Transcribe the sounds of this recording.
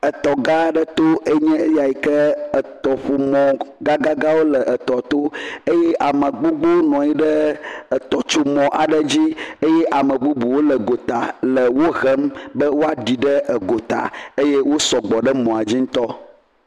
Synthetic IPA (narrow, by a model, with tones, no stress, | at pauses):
ə˨t̪ɔ˨ɡa˦ɖə˦t̪o˦e˦ɲɛ̃˦ja˨i˨kə˦ə˨t̪ɔ˨ɸo˨mɔ̃˨ɡa˦ɡa˦ɡa˦wo˦lə˨ʔə˨t̪ɔ˨t̪o˦e˦jɛ˦ʔa˨mə̃˨ɡ͡bo˦ɡ͡bo˦nɔ̃˨i˦ɖə˦ə˨t̪ɔ˨t͡ʃo˦mɔ̃˨ʔa˨ɖə˦d͡ʑi˦e˦jɛ˦ʔa˨mə̃˨ɡ͡bu˦bu˨wo˦lə˨ɡo˨t̪a˨lə˨wo˦ɣə˦mbə˦wo˦a˨ɖi˨ɖə˦ə˨ɡo˨t̪a̰˨e˦je˦wo˦sɔ˨ɡ͡bɔ˨ɖə˦mɔ̃˨a˨d͡ʑi˦ŋ̩˦t̪ɔ˦